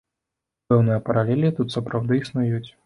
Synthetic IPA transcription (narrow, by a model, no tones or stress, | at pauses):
pɛwnɨjɐpɐɾalʲɛlʲit̪ut̪sɐpɾawd̪ɨisnujut͡sʲ